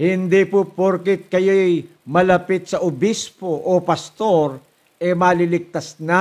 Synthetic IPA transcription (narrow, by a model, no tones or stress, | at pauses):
hɪnd̪ipʊpoɾkɪt̪̚kɐjoj | mɐlɐpɪt̪̚sɐʔʊbispoʔopɐst̪o̞ɾ | ɛmaːlilɪk̚t̪ɐsna